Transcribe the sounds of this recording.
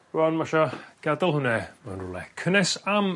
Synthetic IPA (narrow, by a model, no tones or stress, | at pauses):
rwanmaʃaɡ̥adɔlˠhʊnɛmanrʊ̰lˠɛ̰kʰənɛsam